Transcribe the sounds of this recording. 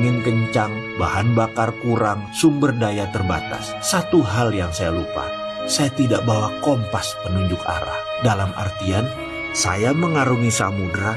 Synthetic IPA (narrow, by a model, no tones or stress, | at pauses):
ŋɪnkəɲt͡ʃaŋ | ba̰hanbakarkuɾaŋsumbərdajat̪ərba̰t̪a̰sːat̪uɦaljaŋsajalupa̰ | sajat̪idaʔbawakɔmpaspənuɲd͡ʒʊka̰ɾa̰h | dalamʔa̰rt̪ian | sa̰jaməŋaɾuŋisamudɾa